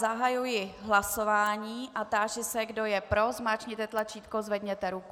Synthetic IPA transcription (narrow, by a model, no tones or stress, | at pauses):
zaɦajujɪɦlaso̞vaːɲiːʔat̪aːʒɪsɛɡdojɛpɾo̞zmaːt͡ʃɲɪt̪ɛt̪lat͡ʃiːt̪kozvɛd̪ɲɛt̪ɛɾuk